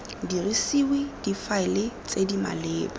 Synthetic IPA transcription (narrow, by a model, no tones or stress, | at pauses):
dirisiwed̥ifaɪlɪt͡sʼedima̰leːba